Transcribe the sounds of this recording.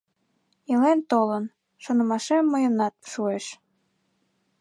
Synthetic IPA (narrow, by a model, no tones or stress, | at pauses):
ilent̪olən | ʃonə̆mɑʃemːojənɑt̪̚ʃueʃ